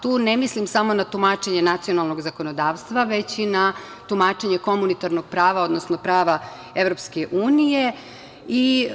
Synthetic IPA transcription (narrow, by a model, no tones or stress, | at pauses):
t̪uːnemislimsamo̞nat̪umat͡ʃe̞ɲe̞nat̪sio̞nalˠno̞ɡzako̞no̞d̪aːʋst̪ʋaʋe̞t͡ɕina | t̪umaːt͡ʃeɲe̞ko̞munit̪aɾno̞ɡ̥̚pɾaːʋao̞d̪no̞snopɾaːʋa | e̞ʋɾo̞pskeʔuːnije̞ | i